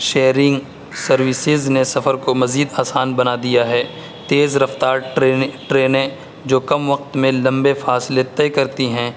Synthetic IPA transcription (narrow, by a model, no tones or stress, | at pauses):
ʃeːɾɪ̃ŋɡ | sɐɾʋɪsɪznesɐfəɾkomɐziːd̪aːsaːnbɐnad̪ijaɦɛː | t̪eːzɾɐft̪aːɾeʈɾeːnẽ | d͡ʒoːkɐmʋɐq̚t̪mẽlɐ̃mbefaːsɪlet̪ɛːkɐɾt̪iɦɛ̃ː